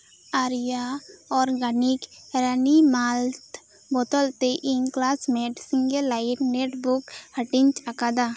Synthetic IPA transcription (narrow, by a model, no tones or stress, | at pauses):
aɾjaɔːɾɡənikɾənimaːlt̪ | bɔt̪ɔlt̪eʔinklaːsmẽɖsĩŋɡəlːaɪʈneʈbukhəʈɪnt͡ʃakad̪a